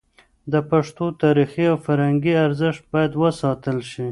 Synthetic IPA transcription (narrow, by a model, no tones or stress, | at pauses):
d̪əpaʂt̪ot̪ɑɾixiawfaɾhaŋɡiaɾzɪʃt̪̚bɑjad̪wəsɑt̪əlʃi